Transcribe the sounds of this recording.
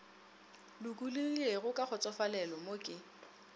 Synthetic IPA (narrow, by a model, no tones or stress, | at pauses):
lʊkʼulieɣʊkʼak͡xʊt͡sʼɔfalɛlɔmokʼɪ